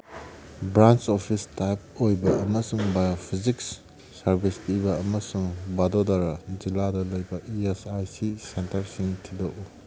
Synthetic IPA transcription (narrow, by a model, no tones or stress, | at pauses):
bɾant͡ʃopʰistajp̚ojbɐʔɐmɐsuŋbajopʰiziksː | ɐɾbʱistiβɐɐmɐsuŋbadodaɾɐd͡ʒiladɐlɐjbɐʔiesajsisentɐɾsiŋtʰidoʔu